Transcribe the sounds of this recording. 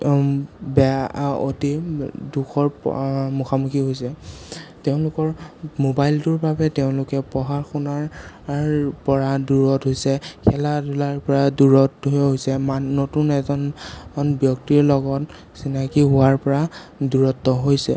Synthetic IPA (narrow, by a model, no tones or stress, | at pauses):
bɛo̰tiduxʰɔɹmuxamukʰiɦojsɛteʊ̃lʊkɔɹmobajltʊɹbabɛteʊ̃lʊkɛpɔɦaɹxɔnaɹ | ɹpɔɹaduɹɔtɦojsɛkʰɛladulaɹpɔɹaduɹɔtɦojsɛmaːotunɛzɔnɔnbjɔktiɹlɔɡɔt | sinakiɦʊwaɹpɔɹa | duɹɔtːɔɦojsɛ̰